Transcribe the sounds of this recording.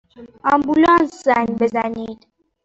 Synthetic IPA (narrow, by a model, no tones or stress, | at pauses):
ɑmbulɔ̃nsanbezanid̪